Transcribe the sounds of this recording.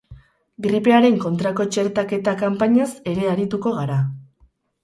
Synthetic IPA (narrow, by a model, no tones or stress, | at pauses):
ɡɾipe̞aɾe̞ŋko̞nt̪ɾako̞t͡ʃe̞ɾt̪ake̞t̪akampaɲase̞ɾe̞aɾit̪uko̞ɣaɾa